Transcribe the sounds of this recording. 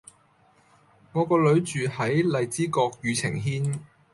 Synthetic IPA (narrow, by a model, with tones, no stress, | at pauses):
ŋɔː˨˧kɔː˧lɵ˨˧ɥt͡ʃyː˨hɐ˨˥jlɐ˨jt͡siː˥kɔː˧k̚jyː˨˧t͡sʰɪ̰˨˩ŋɦiː˥n